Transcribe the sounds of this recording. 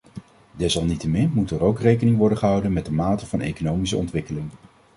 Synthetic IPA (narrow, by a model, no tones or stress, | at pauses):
dɛsɑlˠnitəmɪnmutəɹowkrejkənɪŋʋɔɹdəχəɦʌwdənmɛdəmaːtəv̥ɑnḛjkonowmisəɔ̰ntʋɪkəlɪŋ